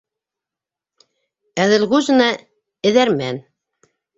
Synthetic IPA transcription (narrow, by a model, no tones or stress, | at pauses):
æðɘ̆lʁʉzɤ̆nɑ | ɘ̆ðæɾmæn